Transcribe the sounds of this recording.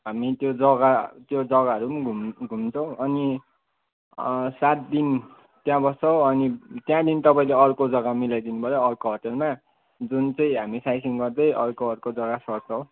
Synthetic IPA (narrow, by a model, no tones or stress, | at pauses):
ɦamit̪jod͡zʌɡat̪jod͡zʌɡaʌɾumɡʱumɡʱumt͡sʰʌw̃ʔʌni | sat̪̚d̪in | t̪jãbʌst͡sʌwʌnit̪jãd̪int̪ʌpaĩleʌrkod͡zʌɡamilajd̪inubʱʌjoʌrkoɦʌʈelma | d͡zunt͡sʌĩɦamisajsiŋɡʌrd̪ʌjʔʌrkoʌrkod͡zʌɡasʌrt͡sʰʌw̃